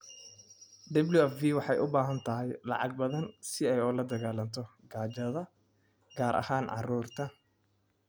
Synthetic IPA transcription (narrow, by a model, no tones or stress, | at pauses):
d̪ɐbljʊɛfviːwɑħɑjʔʊbaːɦɐnt̪ʰɐɦɪjlɑ̰ʕɑ̰ɡ̚bɐðɐnsɪɛjɔːlɐd̪ɐɣaːlɐnt̪ʰɔ | ɡaːt͡ʃɐðɐ | ɡaːɾʔɐ̰haːnʕɑ̰ruːrt̪ʰɐ